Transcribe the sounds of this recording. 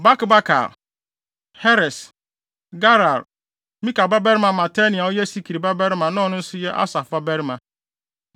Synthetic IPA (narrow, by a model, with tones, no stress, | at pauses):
ba˦kba˦kʰa̰˨l | hɛ˦ɾɛ˨s | ɡa˦ɾa˨ɾ | mĩ˦ka˨ba˦bɛ˦ɾmã˨mã˨tʰa˦nĩ˨a˨ɔ˦jɛ˦si˦kʰi˨ɾi˨ba˦bɛ˦ɾmã˨nã˦ɔ˨nʊ̃˦n̩˦sʊ˦jɛ˦ʔa̰˦sa˨fa˦bɛ˦ɾmã˨